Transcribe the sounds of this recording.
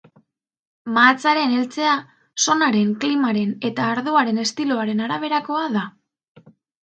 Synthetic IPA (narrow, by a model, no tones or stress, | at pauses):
maːt͡saɾe̞ne̞lt͡se̞a | so̞naɾe̞ŋklimaɾe̞ne̞t̪aːɾðuaɾe̞ne̞st̪iloaɾe̞naɾaβ̞e̞ɾako̞aða